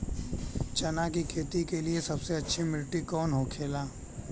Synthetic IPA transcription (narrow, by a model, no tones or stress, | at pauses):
t͡ʃɐnakikʰeːt̪ikeliesɐbseɐtːʃʰimɪlʈikɔːnɦokʰeːlaː